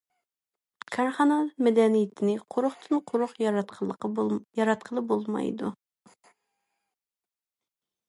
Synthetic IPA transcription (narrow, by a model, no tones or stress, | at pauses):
kʰɑɾχɑnɑmɛd̪ɛnijɪt̪ʰɪnɪqʰoɾʊχt̪ʰɨnqʰoɾʊχj̪q | jɑɾɑt̪̚qʰəlˠɨp̚bolˠmɑ̰jd̪u